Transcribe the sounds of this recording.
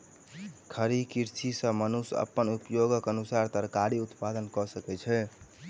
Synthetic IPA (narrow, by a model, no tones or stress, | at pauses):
kʰəɾikiɾt͡ʃʰisə̃mənusə̰pːənupjoɡəkənusaɾt̪əɾkaɾiut̪pad̪ənkɔsəkɛt͡ʃʰɛ